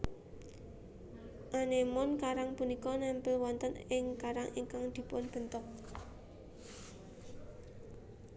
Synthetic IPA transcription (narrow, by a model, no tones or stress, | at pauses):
ʔanemʊnkaɾaŋpunikɔnɛmpəlwɔnt̪ənɪŋkaɾaŋʔiŋkaŋd̪̥i̤pʊnb̥ə̤nt̪ʊk̚